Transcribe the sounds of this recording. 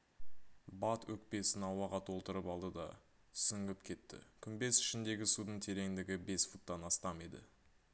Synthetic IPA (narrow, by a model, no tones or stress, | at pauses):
bɑt̪wɵkpe̞sɪnɑwɑʁɑt̪ʰo̞lˠt̪əɾəpɑlˠd̪əd̪ɑ̥ | sɪŋɡɪp̚kʲʰe̞t̪ːɪ̰kʲʰʏnbe̞sɪ̥ʃɪnd̪e̞ɡʲɪsud̪əɴt̪ʰe̞ɾe̞ŋd̪ɪɡʲɪbe̞sfu̥t̪ːɑnɑst̪ɑmed̪ɪ̰